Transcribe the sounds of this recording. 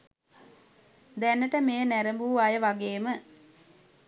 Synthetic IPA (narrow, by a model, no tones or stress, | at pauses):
d̪ænːəʈəmeːənæɾəmbuːajəʋaɡeːmə